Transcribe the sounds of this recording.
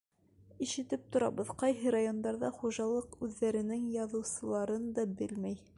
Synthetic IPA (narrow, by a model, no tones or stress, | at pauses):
iʃɘ̆t̪ɘp̚t̪ŏɾɑ̰bɤðqɑjɦɤɾajo̞nd̪ɑɾðɑχuʒɑlˠɤqʉðːæɾɘ̆nɘŋjɑðɤ̆wsɤ̆lˠɑɾɤnd̪ɑbɘlmæj